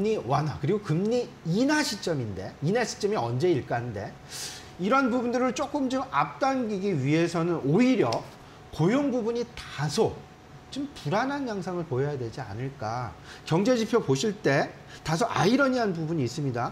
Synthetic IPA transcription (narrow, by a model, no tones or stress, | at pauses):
ɲiwanakɯɾiɡokɯmɲi | inaɕʰit͡ɕ͈ʌminde̞̰inaɕʰi̥t͡ɕ͈ʌmiʌnd͡ʑe̞iɭk͈annde̞ | iɾʌnbubundɯɾɯɭt͡ɕ͈ok͈ɯmd͡ʑomap̚t͈anɡiɡiɥiɦe̞sʰʌnɯnoiɾjʌ | kojoŋbubuɲitasʰo | t͡ɕimpuɾananjaŋsʰaŋɯɭpojʌjadwe̞d͡ʑia̰nɯɭk͈a̰ | kjʌŋd͡ʑe̞d͡ʑipʰjʌpoɕʰiɭt͈e̞ | tas̬ʰoʔa̰iɾʌɲiɦanpubuɲiːs͈ɯmɲida